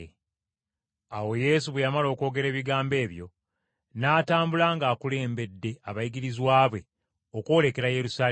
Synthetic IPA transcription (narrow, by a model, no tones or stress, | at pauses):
awo̞je̞ːsuβejamalo̞ːko̞ːɡe̞ɾe̞ːβiɡaːmbe̞ːβjo̞̰ | naːtaːmbulaŋɡaːkule̞ːmbe̞dːe̞aβajiɡiɾizwaːβwe | okwo̞le̞ke̞ɾaje̞ɾusaː